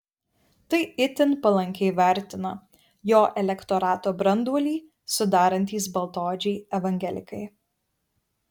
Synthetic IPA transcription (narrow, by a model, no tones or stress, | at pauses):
t̪ɐɪɪt̪ʲɪnpɐlˠɐŋʲkʲɛɪʋʲæˑɾʲt̪ʲɪnɐ | joːʔɛlʲɛkt̪ɔɾɑːt̪oːbɾɐnd̪uɔlʲiː | sʊd̪ɑːɾɐnʲt̪ʲiːsbɐlˠt̪oːd͡ʒʲɛɪɛʋɐŋʲɡʲɛlʲɪ̰kɐɪ